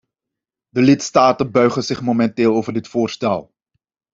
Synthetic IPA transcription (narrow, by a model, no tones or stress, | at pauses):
dəlɪtstaːtənbœɥχəzɪχmomɛntɪːlˠowvərdɪtfʊːrstɛ̰lˠ